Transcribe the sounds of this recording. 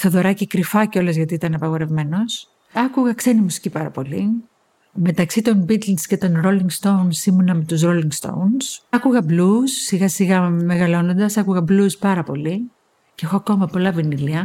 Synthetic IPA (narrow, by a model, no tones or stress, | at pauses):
st̪oðo̞ɾɐcikɾifɐceo̞lezʝɐt̪iit̪ɐnɐpɐɣo̞ɾe̞vme̞no̞s | ɐkuɣɐkse̞nimusi̥cipɐɾɐpo̞li | me̞t̪ɐksit̪o̞nbit̪linsce̞t̪o̞nɾo̞liŋɡst̪o̞wnsimunɐmet̪usɾoliŋɡst̪o̞̰wnsɐkuɣɐblusːiɣɐsiɣɐme̞ɣɐlo̞no̞nd̪ɐsɐkuɣɐbluspɐɾɐpo̞li | cee̞xoɐko̞mɐpo̞lɐviniliɐ